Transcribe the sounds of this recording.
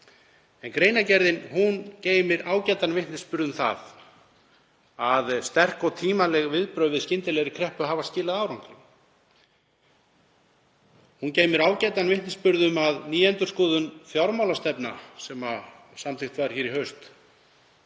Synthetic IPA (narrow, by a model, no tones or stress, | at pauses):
ɛnkɾeːjnacɛɾðɪnhunceːjmɪɾaːwcajt̪anvɪht̪nɪspʏɾðʏmθa̰ð | aðst̪ɛr̥kɔt̪ʰiːmalɛɣvɪðpɾœːɥvɪðscɪnt̪ɪlɛɾɪkʰɾɛhpʏɦaːvascɪːlaðawɾawŋkɾɪ̰n | hunceːjmɪɾaːwcɛjt̪anvɪht̪nɪspʏɾðʏmaðniːɛnt̪ʏ̥skɔːðʏnfjawɾmawlast̪ɛpnasɛma | samθɪxt̪vaɾ̥çɛːɾiɦœɥst̪